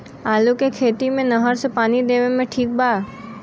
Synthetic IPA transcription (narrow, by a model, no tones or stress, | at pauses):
aːlukekʰeːt̪imẽnəɦəɾsepaːnid̪eʋemẽʈʰiːk̚baː